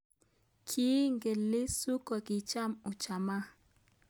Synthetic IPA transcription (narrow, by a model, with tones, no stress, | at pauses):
kʰi˦ŋɡe˨lɪ˦su˦ko˨kɪ˨t͡ʃa˦˨mʊ˨t͡ʃa˨ma˦